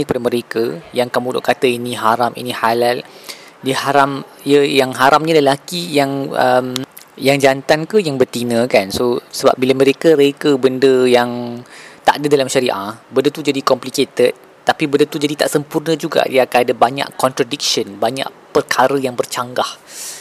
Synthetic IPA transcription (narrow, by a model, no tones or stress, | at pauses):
ɲikəpadəmə̃ɾekəjaŋkamũlʊ̰ʔkat̪əiniɦaɾamḭnĩhalal | dihaɾam | jəjaŋɦaɾʔamɲələlakijaŋə̰m | jaŋd͡ʒant̪ankəjaŋbərt̪inə̃kansosəba̰p̚bilamə̃ɾekəɾekəbəndəjaŋt̪a̰ʔdədalamʃaɾiʔa̰bəndət̪ud͡ʒadikɔmpliket̪ət̪̚ | t̪ːapibəndət̪ud͡ʒadit̪a̰ʔsəmpurnə̃d͡ʒuɡa̰diakanadəbaɲa̰ʔkɔnt̪ɾadik̚ʃənbaɲa̰ʔ | pərkʰaɾəjaŋbərt͡ʃaŋɡah